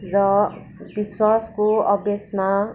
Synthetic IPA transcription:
rʌ | biswaskoʌbjʌsma

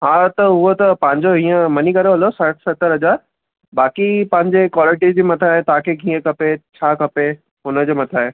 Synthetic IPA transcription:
ɦãːt̪ɐʊɦot̪ɐpɐ̃ɦɪ̃ɲd͡ʑoɦĩːə̃mɐnikɐɾeɦɐlosɐʈʰsɐt̪əɾɦɐd͡ʑaːɾ | baːkipɐ̃ɦɪ̃ɲd͡ʑekwaːlɪʈizd͡ʑiːmɐt̪ʰaːɦet̪aãkʰekĩːə̃kɐpet͡ɕʰaːkɐpe | ɦʊnəd͡ʑeːmɐt̪ʰaːɦeː

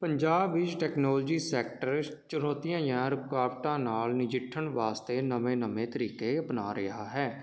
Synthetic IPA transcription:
pəɲd͡ʒaːbʋɪt͡ʃʈɛːknoːld͡ʒiːsɛːkʈəɾt͡ʃʊnoːt̪ijãːjãːɾʊpkaːpʈãːnaːlnɪd͡ʒɪʈʰːəɳʋaːst̪eːnəmẽːnəmẽːt̪əɾiːkeːəpnaːɾɪɦaːɦɛː

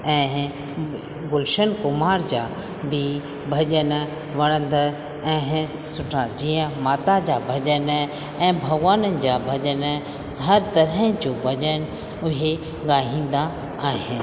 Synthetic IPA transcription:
ɛ̃ː | ɡʊlʃənkʊmaːɾd͡ʑaː | bɪ | bʱɐd͡ʑən | ʋɐɽ̃ə̃nd̪ | ɛ̃ːɦ | sʊʈʰad͡ʑiːə̃maːt̪ad͡ʑabʱɐd͡ʑən | ɛ̃ːbʱɐɡʋaːnənɪ̆d͡ʑabʱɐd͡ʑənʱ | ɐɾt̪ɐɾə̃d͡ʑoːbʱɐʄən | ʊɦe | ɡaːɦĩːn̆d̪a | aːɦɪnɪ

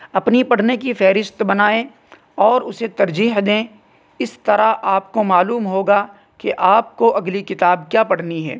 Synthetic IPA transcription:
ɐpnipɐɽ̤nekifɛːɾɪʃt̪bɐnaːe | ɔːɾʊset̪ɐɾd͡ʒiːɦd̪ẽː | ɪst̪ɐɾaʔaːp̚komaːluːmɦoːɡa | keʔaːp̚koʔɐɡlikɪt̪aːb̚kjaːpɐɽ̤niɦɛ̰ː

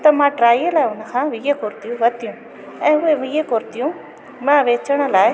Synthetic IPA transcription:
t̪ɐmãːʈɾaːijəlaːeʊnəkʰãːʋijekoɾt̪ijũʋɐt̪ijũ | ɛ̃ːʊeʋijekoɾt̪ijũ | mãʋeːt͡ʃəɽ̃laːe

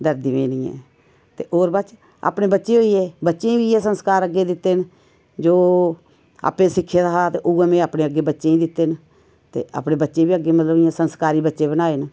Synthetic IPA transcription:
d̪əɾd̪iːʋḛːniːɛ̰ː | t̪ḛːʔoːɾbət͡ʃ | a̰ːpneːbətːʃeːoːiːeːbətːʃeːiːbiːeːsənskaːɾəɡːeːd̪ɪt̪ːeːn | d͡ʒoː | a̰ːpẽːsɪkʰːeːd̪aɦaːt̪eʔʊeːmẽːaːpɽeːəɡeːbətːʃẽːĩːd̪ɪt̪ːeːn | t̪ḛːa̰ːpɽeːbətːʃeːbiːəɡːeːmət̪ləbiãːsənskaːɾiːbətːʃeːbənaːen

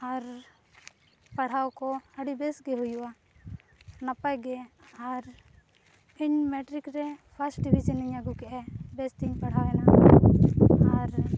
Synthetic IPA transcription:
aɾ | paɽ̤awkɔəɽibɛsɡɛɦujuwa | napajɡɛaɾ | iɲmɛʈɾikɾɛpʰasʈ̚ɖibʱid͡ʒəniɲaɡukɛʔɛbɛst̪iɲpaɽ̤awɛna | aɾ

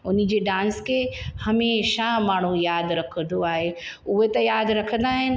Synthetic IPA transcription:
ʊnɪ̆d͡ʑeːɖãːnskʰeːhɐmeːʃamaːɳ̤ũjaːd̪ɾɐkʰə̃nd̪oaːɦeʊɦet̪ɐjaːd̪ɾɐkʰə̃n̆d̪aːɦɪnɪ̆

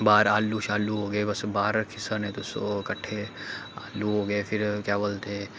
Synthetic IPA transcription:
baːɾaːlːuʃaːluɦoːɡɐebɐsbaːɾkʰɪsənẽːt̪osokɐʈʰeaːlːuɦoːɡəepʰɪɾkɛːʋəlt̪ʰeː

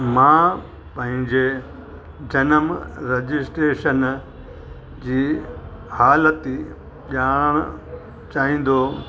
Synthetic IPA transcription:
mãː | pɐ̃ɦɪ̃ɲd͡ʑe | d͡ʑɐnəmɾɐd͡ʑɪsʈɾeːʃən | d͡ʑiː | haːlət̪i | ɓjaːɽ̃ɽ̃ | t͡ɕaːɦĩːn̆d̪oː

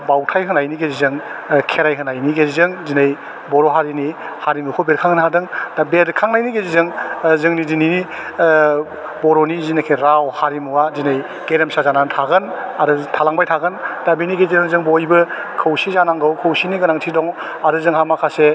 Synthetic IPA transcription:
bawtʰajɦɯnajniɡezizɯŋkʰeɾajɦɯnajniɡezizɯŋzinej | bɔɾɔɦaɾini | haɾimukʰɔbeɾ̚kʰaŋnɦadɯŋdabeɾkʰaŋnajniɡezizɯŋzɯŋnidinini | bɔɾɔnizinekʰeɾawhaɾimuwazinej | ɡ̥eɾemsazanantʰaɡɯnaɾɯtʰalaŋbajtʰaɡɯndabiniɡezizɯŋzɯŋbojbɯ | kʰɯwsizanaŋɡawkʰɯwsiniɡɯnaŋtʰidɔŋ | aɾɯzɯŋhamakʰase

